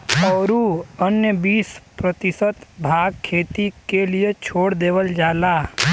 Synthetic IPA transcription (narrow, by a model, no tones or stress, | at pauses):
ɔːɾuənjəbiːspɾət̪ɪsət̪bʱaːɡ̚kʰːeːt̪ikeliet͡ʃʰoːɽd̪eːʋəld͡ʒaːlaː